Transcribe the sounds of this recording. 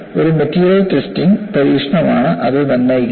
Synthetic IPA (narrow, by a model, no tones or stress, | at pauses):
o̞ɾumetːiːɾjɐltestiŋpɐɾiːkʂɐɳɐmaːɳɨʔɐðɨt̪ɐnːaj